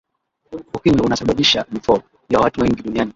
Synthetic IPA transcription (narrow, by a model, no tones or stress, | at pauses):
kukiɲɛunasaɓaɓiʃamifɔ | jawatuwɛŋɡiɗuniani